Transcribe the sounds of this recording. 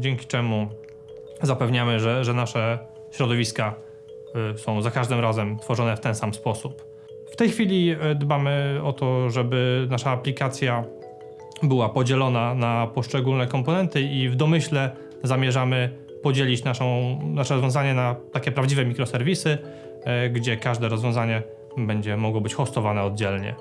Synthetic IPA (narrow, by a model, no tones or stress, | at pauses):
d͡ʑɛŋkʲi̥t͡ʂɛmu | zapɛvɲamɘʐɛʐɛnaʂɛ | ɕɾɔd̪ɔvʲiska | sɔ̃w̃zakaʐd̪ɘmɾazɛmt̪fɔʐɔnɛft̪ɛnsamspɔsup | ft̪ɛjxfʲilʲid̪bamɘɔt̪ɔʐɛbɘnaʂaːplʲikat̪sʲja | bɘwapɔd͡ʑɛlɔnanapɔʂt͡ʂɛɡulnɛkɔmpɔnɛnt̪ɘivd̪ɔmɘɕlɛ | zamʲjɛʐamɘ | pɔd͡ʑelʲit͡ɕnaʂɔ̃w̃naʂɛɾɔzvʲjɔ̃w̃zaɲɛnat̪akʲɛpɾavd͡ʑivɛmʲikɾɔsɛɾvʲisɘ | ɡd͡ʑɛkaʐd̪ɛɾɔzvʲjɔ̃w̃zaɲɛ | bɛɲd͡ʑɛmɔɡwɔbɘt͡ɕxɔst̪ɔvanɛɔd̪̚d͡ʑɛlɲɛ̰